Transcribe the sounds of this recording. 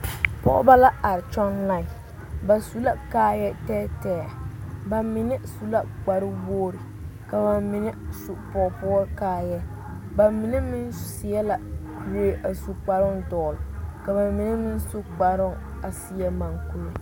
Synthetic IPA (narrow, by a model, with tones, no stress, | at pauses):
pɔ̰˦ʊ̰˦ba˦la˦a˨ɾɪ˨t͡ʃɔ˦nla˦˨ɪ˨ | ba˨su˨la˦kaː˦jɛ˦tɛː˦tɛː˨a˨ba˨mɪ˨nɪ˦su˦la˦k͡pa˨ɾɪ˦woː˦ɾɪ˨ | ka˨ba˨mɪ˨nɪ˦su˨pɔ˨pɔ˦ɾkaː˦jɛ˦ | ba˨mɪ˨˦nɪ˦mɪ˦nssi˨jɛ˦la˨ | we˦˨ʔa˨su˨k͡pa˨ɾʊ˦ŋdɔː˨lka˨ba˨mɪ˨˦nɪ˦mɪ˦nsu˦k͡pa˨ɾʊ˦ŋ | a˨si˦ɛ˦ma˨ŋku˦lo˦